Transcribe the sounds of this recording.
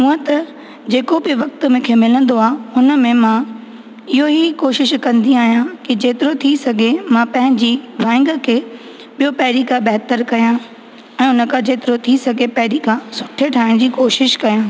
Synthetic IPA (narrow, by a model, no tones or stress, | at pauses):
ũɦə̃t̪ɐ | d͡ʑeːkobɪʋɐk̚t̪mẽkʰeːmɪlə̃nd̪oaːhʊnə̆mẽmã | ɪɦoɦikoːʃɪʃkɐ̃nd̪iaːɦijãkid͡ʑeːt̪ɪɾot̪ʰisɐɡʱemãpɐ̃ɦɪ̃ɲd͡ʑiːʋãːɪ̃ŋɡə̆kʰeː | ɓijopɛɦɾikabɛɦt̪əɾkɐjã | ɛ̃ːʊnə̆kʰãd͡ʑeːt̪ɪɾot̪ʰisɐɡʱepɛɦɾikʰãsʊ̥ʈʰeʈʰaːɪɽ̃d͡ʑiːkoːʃɪʃkɐjãː